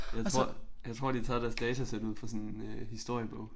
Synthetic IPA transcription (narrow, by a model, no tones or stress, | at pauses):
jɑ̈ɪt͡sʰʁo̝ɐ̰jɑ̈ɪt͡sʰʁo̝ɐ̰d̥it͡sʰɑ̰̈ːɾ̥æɐsd̥ɛːt͡sʰæsed̥uð̰ˠfɒsɔnenøhisd̥o̝ɐ̰jəb̥ɔ̽ʊ̰